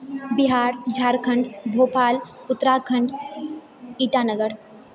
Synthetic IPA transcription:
biɦaːɾd͡ʒʱaːɾkʰəɳɖbʱoːpaːl | ʊt̪ːɾakʰəɳɖ | iːʈaːnəɡəɾ

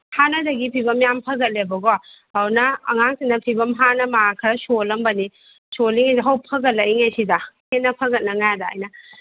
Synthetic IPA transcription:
hanɐdɐɡipʰibɐmjampʰɐɡɐt̚lebɐɡohawnɐɐ̰ŋaŋsinɐpʰibɐmɦanɐmaakʰɐɾɐsolɐmbɐni | soliŋidɦawpʰɐɡɐt̚lɐiŋejsidɐhet̚nɐpʰɐɡɐt̚nɐŋajadaa̰jnɐ

